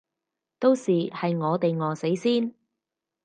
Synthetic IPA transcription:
t̪o˥wsiː˨hɐ˨jŋɔː˨˧t̪e˨jŋɔː˨˧se˨˥jsiː˥n

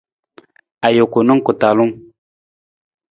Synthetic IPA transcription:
a˨jo˨ku˨nu˦ŋku˨ta˨lu˦ŋ

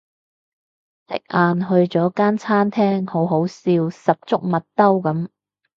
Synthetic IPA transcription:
sɪ̰˨k̚ʔaː˨nɦɵ˧ɥt͡sɔː˨˥kaː˥nt͡sʰaː˥nt̪ʰɛː˥ŋho˨˥wɦo˨˥wsiː˧wsɐ˨p̚t͡sʊ˥k̚mɐ˨t̚t̪ɐ˥wkɐ˨˥m

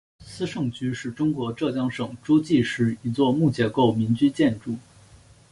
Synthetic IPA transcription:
sɹ̩˥ʂɤ˥˩ŋt͡ɕy˥ʂɻ̩˥˩ʈ͡ʂʊ˥ŋkwɔ˧˥ʈ͡ʂɤ˥˩t͡ɕjɑ˥ŋʂɤ˨˩ŋʈ͡ʂu˥t͡ɕi˥˧ʂɻ̩˥˩i˧˥t͡swɔ˥˧mu˥˩t͡ɕjɛ˧˥ko˥˩ʊmi˧˥nt͡ɕy˥t͡ɕjɛ˥˧nʈ͡ʂu˥˩

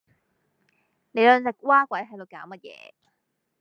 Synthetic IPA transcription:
ne˨˧jlœː˨˧nt͡sɐ˨˩k̚waː˥kwɐ˨˥jɦɐ˨jlo˨˧˩kaː˨˥wmɐ˥t̚jɛ̰ː˨˧

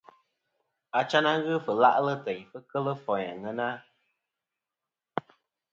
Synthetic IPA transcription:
a˨t͡ʃa˦na˦ɣɨ˦fɨ˨la̰˦ʔlə˦tɛ˨ɲfə˦kə˦lə˦fɔ˨ɲa̰˨ŋə˦na˦

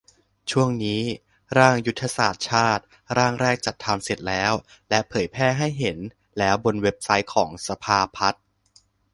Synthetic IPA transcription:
t͡ɕʰu˥˩əŋniː˦˥ | ɾaː˥˩ŋju˦˥t̪ʰːa˧saː˨˩t̪̚t͡ɕʰaː˥˩t̪̚ | ɾaː˥˩ŋɾɛː˥˩k̚t͡ɕa˨˩t̪ʰːa˧mse˨˩t̪̚lɛː˦˥wlɛ˦˥ʔpʰɤː˩˦jpʰɛː˥˩ɦa˥˩jɦe˩˦n | lɛː˦˥wbo˧nwe˦˥p̚sa˦˥jkʰɔː˩˦ŋsa˧pʰaː˧pʰa˦˥t̪̚

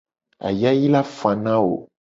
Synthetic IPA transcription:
a̰˨ja˦ji˦la˦fã˨nã˦wo̰˨

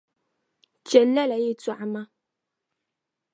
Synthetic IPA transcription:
t͡ʃɛ˨lːɛ˦˨la˨je˦˨twa˨ʔma˦

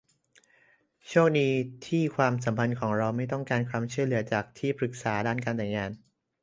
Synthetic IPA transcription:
t͡ɕʰu˥˩ək̚diː˧t̪ʰiː˥˩kʰwaː˧ms̬a˩˦mpʰa˧nkʰɔː˩˦ŋɾa˧wma˥˩jt̪ɔ˥˩ŋkaː˧nkʰwaː˧mt͡ɕʰu˥˩əjlɯ˨˩˦ɐt͡ɕaː˨˩k̚t̪ʰiː˥˩pʰɾɯ˨˩k̚saː˩˦daː˥˩nkaː˧nt̪ɛː˨˩jŋaː˧n

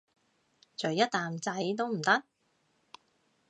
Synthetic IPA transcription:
t͡ʃɵ˨˩jɐ˥t̚t̪aː˨mt͡sɐ˨˥jt̪̬o˥wm̩˨˩t̪ɐ˥k̚

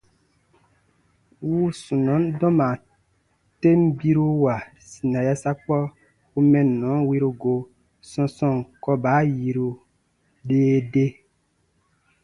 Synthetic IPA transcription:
wuː˦sũ˨nɔ̃˨˦ndɔ̃˦mã˨ | te˦m̩˦bi˦ɾu˦wa˨ | si˨nã˨ja˦sa˦k͡pɔ˦ | u˦mɛ̃˨nɔ̃˨˦wi˦ɾu˧ɡo˧ | sɔ̃˧sɔ̃˦˨ŋkɔ˦baː˨˦ji˧ɾu˧ | ɗe˦de˦

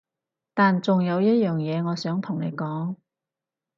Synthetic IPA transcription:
t̪aː˨nt͡sʊ˨ŋjɐ˨˧wjɐ˥t̚jœː˨ŋjɛː˨˧ŋɔː˨˧sœː˨˥ŋt̪ʰʊ˨˩ŋne˨˧jkɔː˨˥ŋ

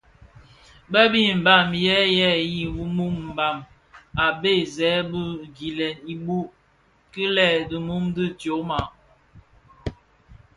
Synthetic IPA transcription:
bə˦bi˦m̩˨ba˨mjɛ˦jɛ˦˨ji˦˨wu˦mu˦mm̩˨ba˨m | a˨be˦zɛ˨˦bə˦ɡi˨lɛ˨ni˨bu˦ | kə˦lɛ˦˨də˨mu˦mdi˦tjo˨˦ma˨

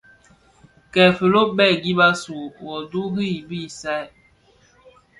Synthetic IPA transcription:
kɛ˨fə˨lo˦bɛ˦˨ɡi˦ba˦su˨wɔ˨du˦ɦi˦i˨bi˦˨sa˦˨j

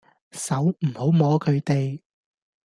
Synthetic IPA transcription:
sɐ˨˥wm̩˨˩ho˨˥wmɔː˨˥kʰɵ˨˧ɥt̪e˨j

